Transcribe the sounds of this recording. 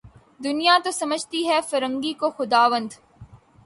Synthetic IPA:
d̪ʊnijat̪osɐməd͡ʒʱt̪iɦɛfɐɾə̃ŋɡikoxʊd̪aːʋə̃nd̪

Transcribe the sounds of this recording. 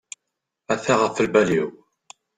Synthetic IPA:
æθæʁəfəlbæliw

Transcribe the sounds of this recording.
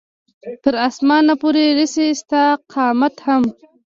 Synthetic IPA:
t̪əɾasmɑːnapoɾeɾisest̪aqʰɑːmat̪ham

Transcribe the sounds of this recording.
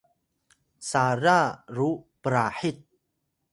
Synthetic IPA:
saɾaɾupɾaħit̪̚

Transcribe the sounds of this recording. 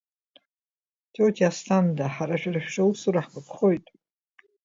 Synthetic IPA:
tʰowtʰiastʰandaħaɾaʃᶣaraʃᶣʂausuɾaħmɨpʰχojtʼ

